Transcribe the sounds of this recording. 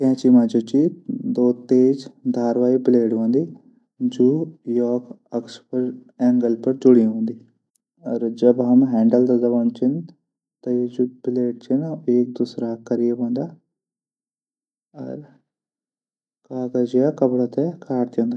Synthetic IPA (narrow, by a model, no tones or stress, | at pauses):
kɛ̃ːt͡ʃimaːd͡ʒoːt͡ʃid̪oːt̪eːd͡ʒd̪ʱaːɾʋaːibɪleːɖʋãːnd̪iː | d͡ʒoːjɔːk | ɐkspəɾɛ̃ːŋɡəlpɐɾd͡ʒʊɽiɦõːnd̪iː | ɔɾd͡ʒɐbɦɐmɦɛ̃ːɳɖəld̪ɐd̪ɐʋãːnt͡ʃʰɪn | t̪ɐed͡ʒubɪleːɖ̚t͡ʃenaeːk̚d̪usɾaːkɐɾijeʋãːnd̪aː | ɐ̰ɾ | kaːkɐd͡ʒijakɐbɽat̪ɛkʰaːɾt̪jõːnd̪a